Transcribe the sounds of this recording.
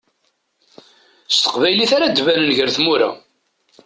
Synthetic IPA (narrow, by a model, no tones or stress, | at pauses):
st̪ə̥qvæjliθaɾad̪vænənʝəɾθmuɾæ̰